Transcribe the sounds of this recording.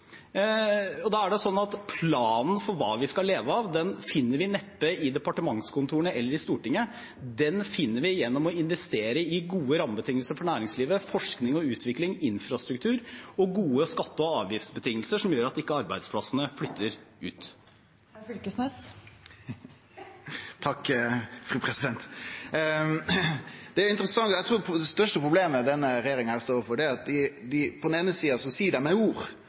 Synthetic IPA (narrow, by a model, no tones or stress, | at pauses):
ɔd̪ɑːæɖɛsɔnːɑt̪pʰlɑːnn̩fɔɾʋɑ̰ːʋɪskɑleːʋəɑʋd̪ɛnfɪnːəɾʋɪnɛp̪ːəɪd̪ɛpɑʈəmɑŋskʰʊnt̪ʰuːəɳəɛlːəɾɪst̪uːʈɪŋːə | d̪ɛnfɪnːəɾʋɪjɛnːɔmɔɪnʋɛst̪eːɾəɪɡuːəɾɑməbət̪ʰɪŋːəlsəɾfɔɳæːɾɪŋsliːʋəfɔʂknɪŋɔʉːt̪ʰʋɪklɪŋɪnfɾɑst̪ɾʉk̚t̪ʰʉːɾɔɡuːəskɑt̪ːəɔɑːʋjɪft̪sbət̪ʰɪŋːəlsəʂɔmjøːɾɑt̪ɪkːəɑɾbæɪd̪spʰlɑsənəflʏt̪ːəɾʉ̰ːt̪ | flkəsnɛs | t̪ʰɑkːfɾʉːpʰɾɛsɪd̪ɛnt̪ | d̪̥ɛæɾɪnt̪əɾəsɑŋæɪt̪ɾuːd̪ɛst̪œʂʈəpɾʊbleːməd̪ɛnːəɾɛjeːɾɪŋɑhæːɾst̪oːɾəfɔɖɛæɾɑt̪̚d̪ɪd̪ɪpʰɔd̪neːnəsiːɑsɔsiːɖɛmɛuːɾ